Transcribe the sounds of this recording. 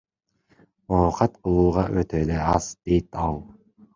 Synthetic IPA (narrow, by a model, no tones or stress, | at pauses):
oːqɑt̪qʰɯlˠuːʁɑʔøt̪øːleɑz̥d̪̥ejt̪ɑlˠ